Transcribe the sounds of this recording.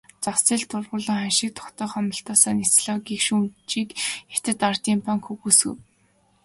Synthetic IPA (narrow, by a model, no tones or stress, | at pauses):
t͡sasiːɮt̪ʊrʁʊːɮə̆ːŋχanʃɪ̆k̚t̪ʰɔ̥kt̪œːχɔmə̆ɬt̪ɔːsaːnit͡sɮɔːɡikʃumt͡ɕiːke̥t̪ɘ̆t̪art̪iːmpʰaŋkxuɣuːsɘ̰